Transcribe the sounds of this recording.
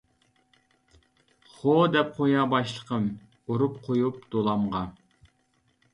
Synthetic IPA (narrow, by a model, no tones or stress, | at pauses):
χod̪ɛp̚qʰojɑbɑʃlˠəqʰəm | oɾup̚qʰojup̚d̪̥olˠɑmʁɑ